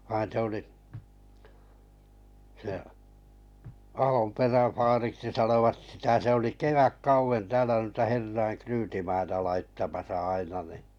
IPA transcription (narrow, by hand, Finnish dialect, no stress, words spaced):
ʋɑin se oli se ɑhomperæn̞ fɑːriksi sɑnoʋɑt sitæ se oli keʋækːɑuʋen tæːlæ nuitɑ herːɑiŋ kryːtimɑitɑ lɑitːɑmɑsɑ ɑinɑ ni